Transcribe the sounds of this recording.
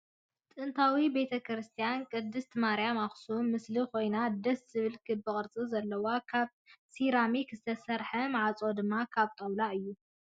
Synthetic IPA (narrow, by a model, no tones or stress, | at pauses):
t̪ʼɨnt̪ʰawibe̞t̪ʰɐkɾɨst̪ʰijankʼɨd̪ːɨst̪ʰmaɾjamaxsumɨsliko̞jnad̪ɐsz̥ɨβɨlkʰɨbɨkʼɨɾt͡sʼɨzɐlːɐwakʰaβ | siɾamikzɨt̪ʰɐsɐɾħɐmaʕat͡sʼod̪ɨmːakʰaβt̪ʼɐwlaɨjːu